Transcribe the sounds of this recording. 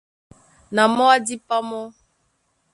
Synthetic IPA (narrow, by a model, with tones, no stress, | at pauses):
na˨mɔ˦a˦di˦pa˦mɔ˦